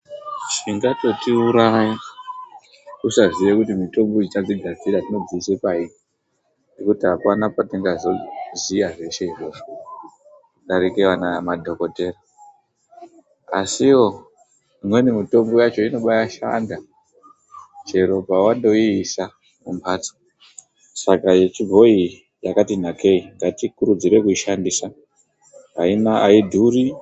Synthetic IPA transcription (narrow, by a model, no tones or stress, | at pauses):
t͡ʃiŋɡato̞tiuɾaji | usaʐiʋekutimito̞mbod͡ʒit͡ʃad͡ziɡʱad͡ziɾatino̞d͡ziisepai | nekutiɦapanapatiŋɡazozijaʐe̞ʃeiroba | ɗaɾikewanamadʱo̞ko̞te̞ːra | asiwo̞ | mwenimito̞mɡojat͡ʃo̞ino̞ɓajaʃa̰nda | d͡ʒe̞ɾo̞bʱawando̞iːsa | mumbʰaːt͡so̥ | sakajet͡ʃibʱo̞i | jakat̬in̤akʰe̞iŋɡatikuɾud͡ziɾe̞kuiʃandisa | ɦainaaidʱuɾi